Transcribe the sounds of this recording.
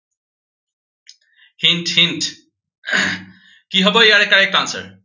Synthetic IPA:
hinʈhinʈ | kiɦɔboeaɾekːaɾek̚kansḛɾ

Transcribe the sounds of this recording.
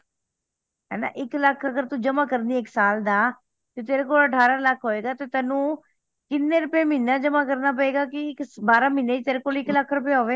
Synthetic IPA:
ɦɛ̰ːna̰ːʔɪkləkʰːəɡəɾt̪uːd͡ʒəmãːkəɾnd̪iːɪksaːld̪aː | d͡ʒot̪eːɾeːkoːləʈʰaːɾaːləkʰɦoːeːɡaːt̪eːt̪ɛːnũː | kɪnːẽːɾʊpeːmɪnːaːd͡ʒəmãːkəɾnaːp̬əeːɡaːkɪɪkbaːɾãːmɪneːd͡ʒit̪eːɾeːkoːlɪkləkʰɾʊp̬eːɦoːʋeː

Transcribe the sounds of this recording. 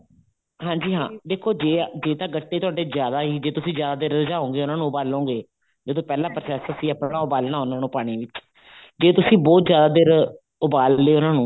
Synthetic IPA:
ɦãːɲd͡ʒiːɦãːd̪eːkʰːoːd͡ʒeːd͡ʒeːt̪ãːɡəʈːeːt̪ʊaːɖeːzjaːd̪aːɦiːd͡ʒeːt̪ʊsĩːzjaːd̪aːd̪eːɾəd͡ʒaːɦõːŋɡeːʊnaːnũːʊbaːlõːɡeː | d͡ʒeːd̪õːpɛːlãːpɾəsɛːsəsiːəpɽaːʊbaːlnaːʊnãːnũːpaːɽ̃iːʋɪt͡ʃ | d͡ʒeːt̪ʊsĩːbɔːt̪zjaːd̪aːd̪eːɾ | ʊbaːlːeːʊnãːnũː

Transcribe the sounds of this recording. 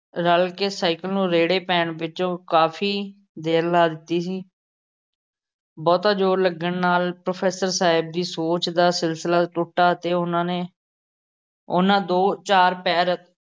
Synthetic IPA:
ɾəlkeːsaːɪkəlnũːɾeːɽeːpɛːɳʋɪt͡ʃõːkaːfʰiː | d̪eːɾlaːd̪ɪt̪ːiːsiː | bɔːt̪ãːd͡ʒoːɾləɡəɳnaːlpɾoːpʰɛːsəɾsaːɪb̚d̪iːsoːt͡ʃd̪aːsɪlsəlaːt̪ʊʈːaːt̪eːʊnãːneː | ʊnãːd̪oːt͡ʃaːɾpɛːɾət̪

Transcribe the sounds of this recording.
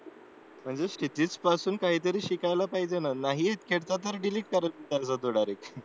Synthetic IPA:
m̤əɳd͡zeɕit̪iːt͡spasuːnkaɦiːt̪əɾiːɕikajlapaɦid͡ʑenanaɦiːɦet̪kʰeɽt̪at̪̬əɾɖiliːʈ̚kəɾət̪it̪ad͡zad̪oɽaɾek

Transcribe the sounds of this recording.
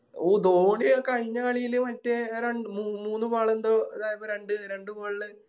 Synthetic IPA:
ud̪oːɳijokɐɻiɲːɐkɐɭijilɨmɐtːeɾeɳmumuːnːɨpaːɭend̪oːɐðaːjɐpoɾe̞ɳɖɨɾe̞ɳɖɨpaːɭlɨ

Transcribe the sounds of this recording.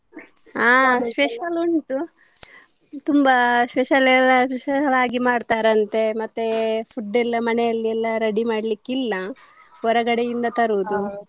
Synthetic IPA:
aːspeʃɐloɳʈu | t̪umbɐspeʃɐlɛlːɐseʃɐlaːɡimaːɖt̪aːɾɐnt̪e̞mɐt̪ːepʰuɖːɛlːɐmɐnejɐlːiɛlːɐɾɐɽimaːɽɐlikːilːɐ | ɔɾɐɡɐɽejind̪ɐt̪ɐɾuːd̪u

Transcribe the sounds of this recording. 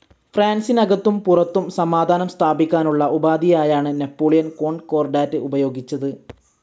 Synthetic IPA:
fraːnsinɐɡɐt̪ːumpurɐt̪ːumsɐmaːd̪ʱaːnɐmst̪ʰaːbikʲːaːnuɭːɐʔubaːd̪ʱijaːjaːɳɨnepːo̞ːɭijɐnko̞ːɳɖko̞ːrɖaːɾɨubɐjo̞ːɡit͡ɕːɐðɨ

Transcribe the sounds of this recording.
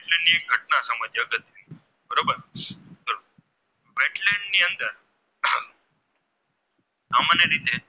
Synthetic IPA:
ʋeʈlẽɳɖnĩek̚ɡʱəʈnasaməd͡ʒ̪jaɡət̪ | bəɾoːbəɾsəɾu | ʋeʈleɳɖniənt̪əɾ | samanjɐɾit̪e

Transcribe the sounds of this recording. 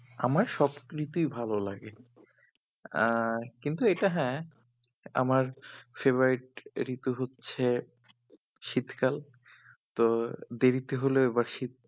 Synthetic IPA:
amaɾʃɔbɾit̪ujbʱalolaɡe | kint̪ueʈaɦɛ̃ | a̰maɾfeboɾiʈ̚ɾit̪uɦotːɕʰe | ʃit̪kal | t̪od̪eɾit̪eɦoleoebaɾʃit̪̚

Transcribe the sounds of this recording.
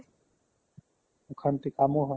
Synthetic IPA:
ukʰɐnt̪ikaːmuɦɐ

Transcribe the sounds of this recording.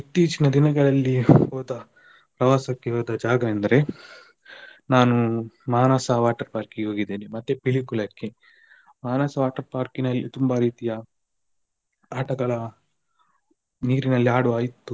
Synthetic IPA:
it̪ːiːt͡ʃinɐd̪inɐɡɐɭɐlːioːd̪ɐ | pɾɐʋaːsɐkːeɦoːd̪ɐd͡ʒaːɡɐend̪ɐɾe̞ | naːnumaːnasɐʋaːʈɐɾpaːɾkiɡeɦo̞ːɡid̪eːnemɐt̪ːepiɭikulɐkːe | maːnɐːsɐʋaːʈɐɾpaːɾkinɐlːit̪umbɐɾiːt̪ijɐ | aːʈɐɡɐɭɐ | niːɾinɐlːiaːɽuaːjit̪ːu

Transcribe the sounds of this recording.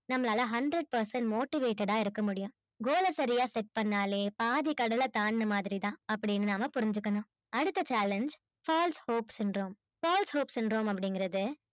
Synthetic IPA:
nɐmːɐlaːlɐɦɐɳɖɾɐɖ̚pɐɾsɐnmoːʈɪʋeːʈːɐɽaːɪɾɯkːɐmʊɽɪjʊ̃ | ɡoːlɐsɐɾɪjaːsɛʈ̚pɐɳːaːleːpaːðikɐɽɐlɐt̪aːnnɐmaːðɪɾit̪ãːɐpːɐɽɪnːɯnaːmɐpʊɾɪɲd͡ʒɯkːɐnõː | ɐɽɯt̪ːɐt͡ʃaːlɐnd͡ʒ | faːlshoːpsɪnɖɾoːm | faːlshoːpsɪnɖɾoːmɐp̬ːɐɽɪŋɡɪɾɐðɯ

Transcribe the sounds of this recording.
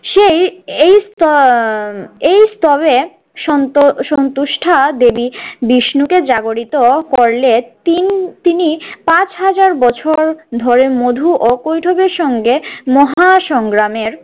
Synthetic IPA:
ʃejejst̪ɔ | ejst̪ɔβe | ʃɔʃɔnt̪uʃʈʰad̪ebibiʃnuked͡ʑaɡoɽit̪okoɾlet̪it̪inipãt͡ɕɦad͡ʑaɾbɔt͡ɕʰoɾd̪ʱɔɾemod̪ʱuʔokojʈʰobeɾʃɔŋɡemɔɦaʃɔŋɡɾameɾ

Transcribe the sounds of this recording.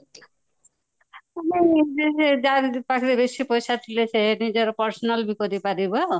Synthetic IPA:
amid͡ʒesed͡ʒaɾpakʰiɾebeʃipojsat̪ʰilesʰenid͡ʒɔɾpɔɾsɔnalbikɔɾipaɾibɔ

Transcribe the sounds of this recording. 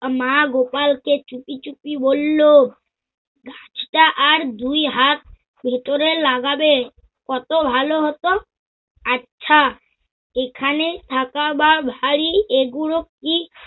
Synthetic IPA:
maɡopalket͡ɕupit͡ɕupibolːo | ɡãt͡ɕʈaʔaɾd̪ujɦat̪̚ | bʱet̪oɾelaɡabe | kɔt̪obʱaloɦɔt̪o | atːʃʰa | ekʰanet̪ʰakababʱaɽieɡuɽokːi

